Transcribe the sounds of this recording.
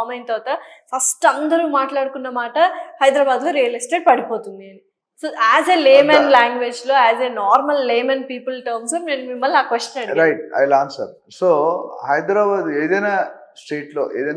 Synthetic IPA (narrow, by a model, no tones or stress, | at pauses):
mɐjnt̪ɐːt̪ɐfɐsʈɐnd̪ɐɾuːmaːʈlaːɽukunːɐmaːʈɐhɐjd̪ɾaːbaːd̪loːɾijɐlisʈeːɖ̚pɐɽipo̞ːt̪und̪iɐni | soːʔæːzeleːmɐnlaːŋɡʋeːd͡ʒlo̞ːæːzenaːɾmɐlːeːmɐnpiːpɐlʈɐɾmsoneːnumimːɐlːaːkʋesʈjɐnɐɳiɾɐjʈ̚ɐ̰jlaːnsɐ̰ɾ | soːhɐjd̪ɾaːbaːd̪eːd̪ɐjnaː | sʈeːʈlo̰ːʔeːd̪ɐj